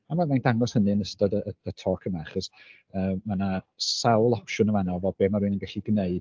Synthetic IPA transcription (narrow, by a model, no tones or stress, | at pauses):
manwamajndaŋɔshənɨənəstɔdəəətʰɔːkʰəmaaχɔs | əːmːana | sawlˠɔpʃʊnəvanɔvɔbeːmaɾuɨnənɡaɬiɡneɨd